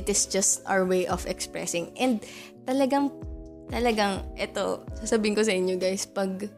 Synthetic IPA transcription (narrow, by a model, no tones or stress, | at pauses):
ɪt̪ɪsd͡ʒɐst̪ʔa̰wəɹwejʔɔfɛkspɹɛ̰sɪ̃ŋʔɛ̃nd̪̚ | t̪ɐlɐɡɐŋt̪ɐlɐɡaŋʔɛt̪o̰sasɐbiːhɪŋkosɐʔɪɲjoɡajspɐɡ̚